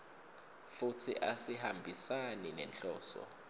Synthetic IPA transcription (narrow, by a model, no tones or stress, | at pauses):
fut͡sʰḭʔasihambʱisaninɛnt͡ɬʼɔːsɔ̰